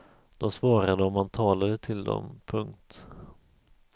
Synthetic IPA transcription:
d̪̥ɔsvɑːɾad̪əɔmhant̪ʰɑːlad̪ət̪ʰɪld̪ɔ̰mpʰɵŋkt̪

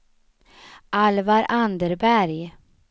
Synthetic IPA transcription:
ʔalvaɾʔand̪əɾbæɾj

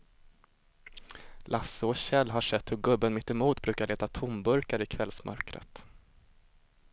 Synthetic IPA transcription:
lʔasːəɔɕɛlːɦaʂɛt̪ːhɵɾɡɵbːənmɪt̪ːɪmuːt̪bɾʉ̟ːkaɭeːt̪at̪ʰʊmbɵɾkaɾɪkʰvɛlsmʔœ̰ɾkɾə̰t̪

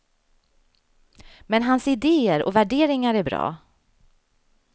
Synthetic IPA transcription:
mɛnɦansɪd̪eːəɾɔ̰væɖeːɾɪŋaɾæɾbɾɑ̰ː

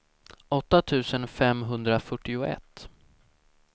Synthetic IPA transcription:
ɔt̪ːat̪ʰʉ̟ːsənfɛmɦɵnd̪ɾafœʈːɪʊɛ̰t̪ː

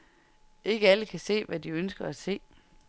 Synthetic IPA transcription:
e̝ɡ̥əæləkʰæse̝̰ːʋæd̥iønsɡ̥ɐæse̝̰ː

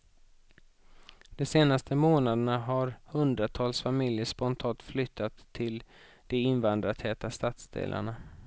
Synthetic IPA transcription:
d̪̥ɔseːnast̪ʰəmoːnad̪əɳaɦaɾhɵnd̪ɾat̪ʰɑːlsfamɪljəʂpɔnt̪ʰɑːnt̪flʏt̪ʰːat̪ʰːɪl | d̪̥ɛɪnvand̪ɾat̪hɛːt̪ast̪at̪sd̪ḛːlʔa̰ɳa

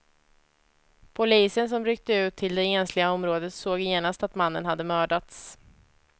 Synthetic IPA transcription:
pʰʊliːsəns̬ɔmɾʏk̚t̪əʉ̟ːt̪ʰːɪld̪ɛeːnslɪɡaɔmɾoːd̪ət̪soːɡjeːnast̪at̪manːənɦad̪ːəmœːɖat̪s

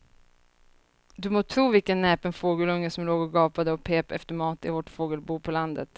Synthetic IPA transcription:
d̪ɵmoːt̪ʰɾuːvɪlkənːɛːpənfoːɡəlɵŋːəsɔmloːɡɔɡɑːpad̪əɔpʰeːpɛft̪əɾmɑːt̪ɪvɔʈfoːɡəlbuːpʰɔland̪ə̰t̪

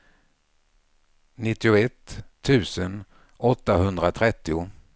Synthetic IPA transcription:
nɪt̪ːɪʊɛt̪ʰːʉ̟ːsən | ɔt̪ːaɦɵnd̪ɾat̪ʰɾɛt̪ːɪʊ

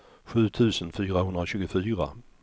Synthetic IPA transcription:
ɧʉ̟ːt̪ʰʉ̟ːsənfyːɾahɵnd̪ɾaɕʉ̟ːɡʊfyːɾa̰

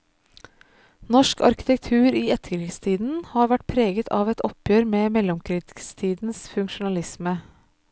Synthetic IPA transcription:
nɔʃkɑ̰ɾkɪ̥t̪ɛk̚t̪ʰʉːɾiːɛt̪əkɾɪkst̪ʰiːd̪n̩hɑːɾʋæʈ̚pʰɾeːɡət̪ʰɑːʋɛt̪ʰɔpjøːɾmeːmɛlɔmkʰɾiːt̪ɪ̥kst̪ʰiːd̪n̩sfʉŋkʃʊnɑlɪsmə

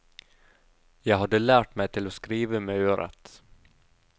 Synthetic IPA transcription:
jɑːɡɦad̪ːəlæːʈmɛjt̪ʰɪlɔskɾiːvəmɛøːɾa̰t̪

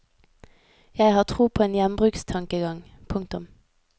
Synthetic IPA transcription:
jæɪhɑːʁt̪ʰʁuːpʰoːeːnjɛnbʁʉːkst̪ʰɑŋkəɡɑŋ | pʰʊŋkt̪ʊm

